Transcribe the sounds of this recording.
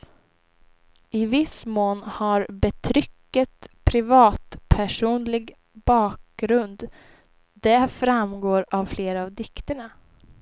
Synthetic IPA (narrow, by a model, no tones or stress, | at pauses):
ɪvɪsmoːnhaɾbɛt̪ʰɾʏkːət̪pʰɾɪvɑːt̪pʰæʂuːnlɪɡ | bɑːk̚ɡɾɵnd̪ | d̪ɛfɾamɡoːɾavfleːɾaavd̪ɪkt̪əɳa